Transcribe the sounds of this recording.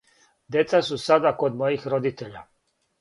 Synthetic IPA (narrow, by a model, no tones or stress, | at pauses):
d̪je̞t̪sasusad̪akod̪mojixɾod̪it̪eʎa̰